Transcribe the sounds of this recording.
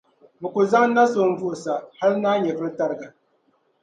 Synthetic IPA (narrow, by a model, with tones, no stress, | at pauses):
bɨ˨ku˨za˦ŋ˦na˦so˨ɱ˦vu˦˨sa˨ha˦lnaː˦ɲɛ˨vɨ˦ɾɨ˦ta˦ɾɨ˨ɡa˨